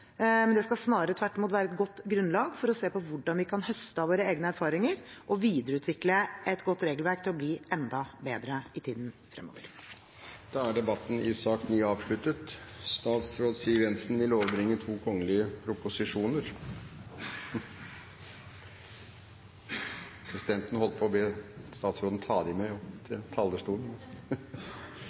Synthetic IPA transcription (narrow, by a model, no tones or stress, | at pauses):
mɛnd̪ɛskɑsnɑːɾɾət̪ʰʋæʈːɔmuːt̪ʋæːɾəɛt̪̚ɡɔt̪ːɡɾʉnlɑːɡfɔɾɔseːpɔʋʊɖɑnʋɪkʰɑnhœst̪əɑʋoːɾəeːɡənəæɾfɑːɾɪŋəɾʔɔʋiːd̪əɾəʉːt̪ʰʋɪkləɛt̪ɡɔt̪ːɾeːɡlʋæɾk̚t̪ʰɪlɔbliːʔɛnd̪ɑbeːd̪ɾəɪt̪ʰiːd̪nfɾɛ̰mo̰ːʋəɾ | d̪̥ɑːæɖɛbɑt̪ːn̩ɪsɑːkt̪nyːɑːʋʂlʉt̪ət̪st̪ɑːt̪sɾoːd̪siːʋɛnsn̩ʋɪloːʋəɾbɾɪŋːət̪ʰuːkʰɔŋːəlɪəpʰɾʊpʊsɪʂuːnəɾ | pʰɾɛsɪd̪ɛnt̪n̩hɔlːəpʰɔbeːst̪ɑːt̪sɾoːd̪n̩t̪ʰɑːd̪ɪmɛɔt̪ʰɪlt̪ʰɑːld̪əʂʈuːln